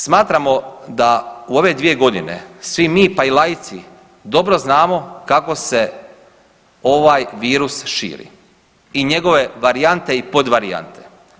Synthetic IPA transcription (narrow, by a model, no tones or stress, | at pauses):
smaːt̪ɾamo̞d̪auo̞ʋe̞d̪ʋije̞ɡo̞d̪inḛsʋimiːpailajit̪si | d̪o̞bɾo̞znaːmo̞kako̞se̞ | o̞ʋaːjʋiːɾusʃḭːɾḭ | iɲe̞ɡo̞ʋe̞ʋaɾijant̪e̞ipo̞d̪ʋaɾia̰nt̪e̞̥